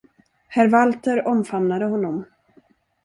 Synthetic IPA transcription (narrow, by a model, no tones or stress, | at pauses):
hæɾvalt̪əɾɔmfamnad̪əɦɔnːɔm